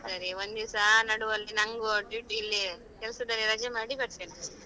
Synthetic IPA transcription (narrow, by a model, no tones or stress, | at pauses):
sɐɾiʋond̪isanɐɽuʋɐlːinɐŋɡoʈiʈilːi | kɛlsud̪ɐɾiɾɐd͡ʒɐmaːɽibɐɾt̪ene